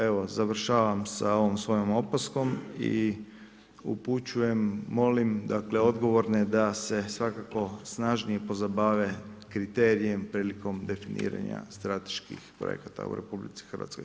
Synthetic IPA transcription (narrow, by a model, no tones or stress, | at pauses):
e̞ʋo̞zaʋr̩ʃaːʋamsao̞ʋomsʋo̞jomo̞pasko̞mḭ | ṵput͡ʃuje̞mːo̞limd̪akle̞o̞d̪ɡo̞ʋo̞ɾned̪ase̞sʋakako̞snaʒnijepo̞zabaːʋekɾit̪e̞ːɾije̞mpɾiːliko̞md̪e̞finḭːɾa̰ɲa̰st̪ɾat̪e̥ʃkḭxpɾo̰jḛkat̪a̰ṵɾe̞publḭt̪si̥xərʋat̪ko̞̰j